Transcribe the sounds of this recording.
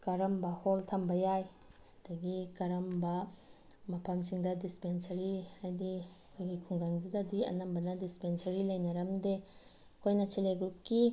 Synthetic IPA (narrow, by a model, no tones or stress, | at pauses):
kɐɾɐmbɐholtʰɐmbɐjaj | d̥ɐɡikɐɾɐmbɐ | mɐpʰɐmsiŋdɐdispensɐɾiajdi | kʰojɡikʰuŋɡaŋd͡ʒidɐdiɐ̰nɐmbɐnɐdispensɐɾilɐjnɐɾɐmde | kʰojnɐseleɡɾup̚ki